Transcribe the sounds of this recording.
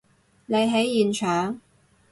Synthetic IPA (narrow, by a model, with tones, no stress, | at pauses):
ne˨˧jɦe˨˥jːiː˨nt͡ʃʰœː˨˥ŋ